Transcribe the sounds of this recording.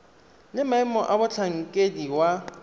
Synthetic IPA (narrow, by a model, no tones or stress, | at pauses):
lɪmaɛmɔʔabʊt͡ɬʰaŋ̩kʼediwa